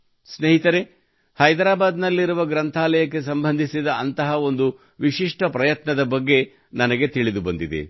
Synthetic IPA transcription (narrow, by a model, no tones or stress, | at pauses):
sneɦit̪ɐɾe | hɐjd̪ɾaːbaːd̪nɐlːiɾuʋɐɡɾɐnt̪ʰaːlɐjɐk̬ːe̞sɐmbɐnd̪ʱisid̪ɐɐnt̪ɐɦɐo̞nd̪u | ʋiʃiʂʈɐpɾɐjɐt̪nɐd̪ɐbɐɡːe̞ | nɐnɐɡe̞t̪iɭid̪ubɐnd̪id̪ḛ